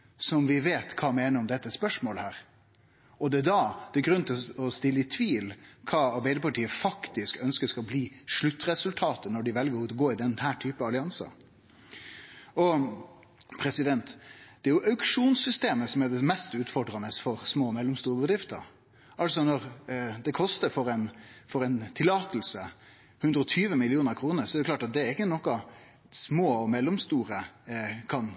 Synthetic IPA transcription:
sɔmʋɪʋeːt̪kʰɑːmeːnəɾɔmd̪ɛt̪ːəspœʂmoːləhæːɾ | ɔd̪ɛæd̪ɑd̪̥ɛɡɾʉnt̪ʰɪɔst̪ɪlːəɪt̪ʰʋiːlkʰɑːɑɾbæɪd̪əpʰɑʈiːəfɑkt̪ɪskœnskəskɑlbliːʂɭʉt̪ːɾɛsʉlt̪ʰɑːt̪ənɔɖɪʋɛlɡəɾɔɡoːɪd̪ɛnhæːʈʰyːpəɑlɪɑnsɑ̰ | ɔ | pʰɾɛsɪd̪ɛnt̪d̪̥ɛæɾjʊʔɑʉkʂuːnsʏst̪eːməsɔmɛd̪ɛmɛst̪ʉːt̪fɔɖɾɑnəsfɔɾsmoːmɛlːɔmst̪uːɾəbəd̪ɾɪft̪ə̰ɾ | ʔɑlsɔnɔɾd̪ɛkʰɔst̪əɾfɔɾɛnfɔɾɛɪnt̪ʰɪlːɑːt̪l̩sə | hʉnd̪ɾəɔt̪ʰyːʋəmɪlɪuːnəɾkʰɾuːnəɾsɔɛɾɛʊklɑːʈɑt̪̚d̪ɛɾɪkːənɔkːɑ | smoːɔmɛlːɔmst̪uːɾəkʰɑn

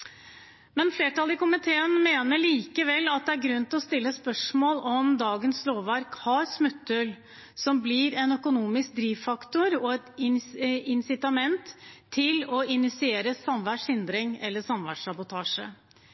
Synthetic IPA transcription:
mɛnfleːʈɑlɪkʊmɪt̪ʰeːənmeːnəɭiːkəʋɛlːɑt̪̚d̪ɛæɾɡɾʉnːt̪ɪlɔst̪ɪlːəspœʂmoːlɔmd̪ɑːɡənsloːʋːæɾkhɑɾsmʉt̪ːʉl | sɔmblɪɾɛnœkʊnuːmɪsk̚d̪ɾiːʋfɑkt̪ʊɾɔɛt̪ɪɪnsɪt̪ɑmɛnt̪ʰːɪlɔɪnɪsɪeːɾəsɑmʋæʈʂhɪnd̪ɾɪŋɛ̰lːəsɑmʋæ̰ʈʂɑbʊt̪ʰɑːʂə̰

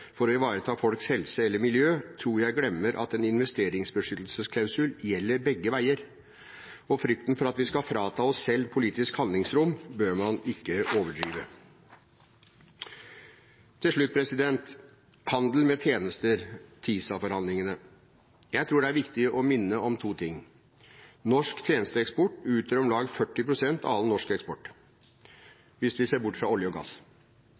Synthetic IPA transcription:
fɔɾɔɪʋɑːɾət̪ʰɑːfɔlkshɛlsəɛlːəɾmɪljøːt̪ʰɾuːɾjæɪɡlɛmːəɾʔɑ̰t̪ɛnɪnʋɛst̪eːɾɪŋsbəʂʏt̪l̩səskʰlɑʉsʉljɛlːəɾbɛɡːəʋæɪəɾ | ɔfɾʏk̚t̪n̩fɔɾɑt̪ʋɪskɑfɾɑːt̪ʰɑːɔsːɛlːpʰʊliːt̪ɪskhɑlɪŋsɾʊmbøːɾmɑnɪkːəʔoːʋəɖɾiːʋə | t̪ʰɪlʂɭʉt̪̚ːpʰɾɛsɪd̪ɛnt̪ | hɑnd̪l̩mɛt̪ʰjeːnəst̪əɾt̪ʰiːsɑfɔɾhɑnd̪lɪŋənə | jæɪt̪ʰɾuːɖɛæɾʋɪkt̪ɪəʔɔmɪnːəɔmt̪ʰuːt̪ʰɪŋː | nɔʂkt̪ʰjeːnəst̪əɛkspɔʈːʉːt̪əɾɔmlɑːɡfœʈːɪpɾʊsɛnt̪ɑɑlnɔʂkɛkspɔʈː | ʋɪsʋɪseːɾbʊʈːfɾɑɔljəɔɡɑ̰s

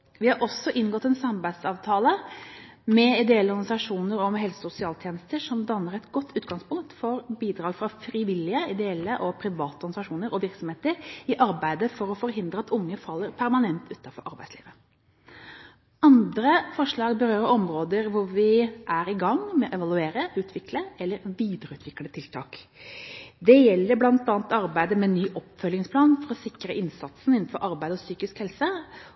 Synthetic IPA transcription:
ʋɪhɑɾʔɔsːɔʔɪnːɡɔt̪ːɛnsɑmbæɪsɑːʋt̪ʰɑːlə | mɛɪd̪ɛɛlːəɔɾɡɑnsɑʂuːnəɾɔmɦɛlsəsʊsɪɑːlt̪ʰjeːnəst̪əʂɔmd̪ɑnːəɾɛt̪ɡɔt̪ʰːʉːt̪ɡɑŋspʊŋ̚t̪fɔɾbiːd̪ɾɑːɡfɾɑfɾiʋɪlɪəɪd̪ɛɛlːəʔɔpʰɾɪʋɑːt̪əɔɾɡɑnsɑʂuːnəɾɔʋɪɾksɔmheːt̪əɾɪʔɑɾbæɪd̪əfɔɾɔfɔɾɦɪnd̪ɾəɑt̪ʊŋːəfɑlːəɾpʰæɾmɑnɛnt̪ʰʉːt̪ɑfɔ̰ɾʔɑɾbæ̰ɪslḭːʋə | ʔɑnd̪ɾəfɔʂɭɑːɡbəɾøːɾəɾɔmɾoːd̪əɾʋʊɾʋɪʔæɾɪɡɑŋmɛɔʔɛʋɑlˠʉeːɾəʔʉːt̪ʰʋɪkləɛlːəɾʋiːd̪əɾəʉːt̪ʰʋɪklət̪ʰɪlt̪ʰɑ̰ːk | d̪ɛjɛlːəɾblɑnt̪ɑːnt̪ɑɾbæɪd̪əmɛnːyːʔɔpːfœljɪŋspʰlɑːnfɔɾɔsɪkɾəʔɪnsɑt̪sn̩ɪnn̩fɔɾʔɑɾbæɪd̪əɔsyːkɪskhɛlsə

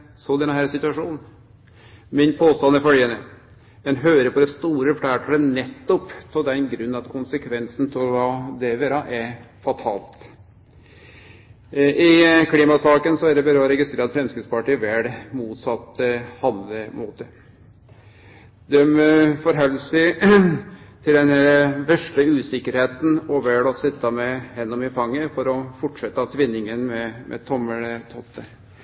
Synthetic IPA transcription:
sɔd̪ɛnːəɦæːɾsɪt̪ʉɑʂuːnn̩ | mɪnpʰoːst̪ɑnəfœljənə | mɛnɦøːɾəpʰɔd̪ɛst̪uːɾəfɽæːʈʰələnɛt̪ːɔpt̪ʰɔld̪ɛnɡɾʉnːɑt̪kʰʊnsəkʰʋɛnsn̩t̪ʰɪlʋɑːd̪eʋeːɾɑʔɛ | fɑt̪ʰɑ̰ːlt̪ | ɪkʰliːmɑsɑːkənsɔæɖ̪ɛbæɾəɔɾɛɡɪst̪ɾeːɾɑt̪fɾɛmskɾɪt̪spɑʈɪʋæɖmuːt̪sɑt̪ːəhɑnd̪ləmuːt̪ə | d̪ɛmfɔɾɦœlːsɪ | t̪ʰɪld̪ɛnɛɾʋɛʂʈəʉːsɪkːəɾheːt̪n̩ɔʋɛɽɔsɪt̪ːɑmɛhɛnːɔmɪfɑŋːəfɔɾɔfɔʈʂɛt̪ːəɑt̪ʰʋɪnːɪŋənmɛmʔɛ̰t̪ʰɔmːələt̪ʰɔt̪ːə

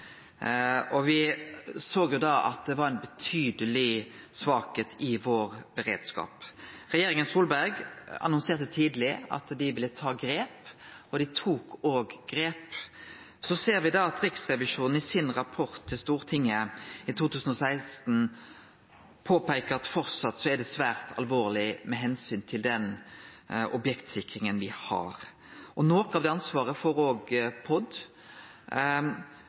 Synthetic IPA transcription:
ɔʋɪsoːɡjʊd̪ɑʔɑ̰t̪̚d̪ɛʋɑɾæɪnbət̪ʰyːd̪əlɪsʋɑːkeːt̪ʰɪʋoːʁbəʁḛːd̪skɑ̰ːpʁɛjeːɾɪŋənsuːlbæʁɡɑ̰nʊnseːʁt̪ət̪ʰiːd̪lɪɑ̰t̪d̪ɪʋɪlːət̪ʰɑːɡɾeːpɔd̪ɪt̪ʰuːkʰoːɡɡɾeːp | sɔseːɾʋɪd̪ɑɑt̪ɾɪksʁɛʋɪʂuːnn̩ɪsɪnʁɑpʰɔʁt̪ʰːɪlst̪uːɾt̪ʰɪŋːəɪt̪ʰuːt̪ʉːsn̩ɔsæɪst̪n̩ | pʰoːpæɪkəɾɑt̪fɔɾt̪sɑt̪ːsɔɛd̪ɛsʋæːɾt̪ʰɑ̰lʋoːʁlɪmɛɦɛnsyːnt̪ʰɪld̪ɛn | ɔbjɛkt̪sɪkɾɪŋənʋɪhɑ̰ɾ | ʔɔnoːkɑʋd̪ɛɑnsʋɑːʁəfɔɾoːɡpʰɔd̪

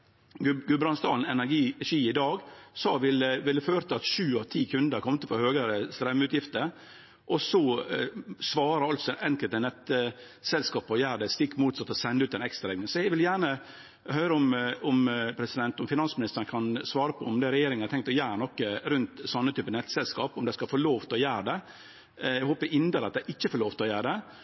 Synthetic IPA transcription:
ɡʉbɾɑnst̪ɑ̰ːln̩ɛnæɾɡiːʂiːɪd̪ɑːɡsɑʋɪləʋɪlːəføːɾt̪ʰəɑt̪ʂʉːɑʋt̪ʰiːkʰʉnd̪əɾkʰɔmət̪əfɔɾhøːɡəɾəst̪ɾɛmːəʉːt̪jɪft̪ə | ʔɔsɔ | sʋɑːɾəɑlt̪sɔʔɛŋkəlt̪ːɛɪnɛt̪ːə | sɛlskɑːpəɔjæːɾɖ̪ɛst̪ɪkːmuːt̪sɑt̪ːɔsɛnʉːt̪ɛɪnɛkst̪ɾɑɾɛɡnɪŋsɔjɛɡʋɪljæːɳə | hœʏɾəɔmɔmpʰɾɛsɪd̪ɛnt̪ɔmfɪnɑnsmɪnɪst̪əɾnkʰɑnsʋɑːɾəpʰɔɔmd̪ɛɾɛjeːɾɪŋnɑɾt̪ʰɛŋk̚t̪ɔjæːɾnɔkːəɾʉnt̪sɔnːət̪ʰyːpənɛt̪ːsɛlskɑːpɔmd̪ɛskɑfoːloːʋt̪ʰlɔjæːɾɖ̪ɛ | ɛɡhoːpəʔɪnd̪ɑɾɑt̪d̪ɛʔɪçːəfoloːʋt̪ɪlɔjæːɾɖ̪ɛ

